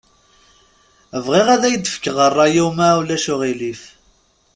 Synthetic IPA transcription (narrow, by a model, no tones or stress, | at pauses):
əvʁiʁæðæjəd̪fə̥kːʁərˤːɑjuwmawlæʃʊʁilif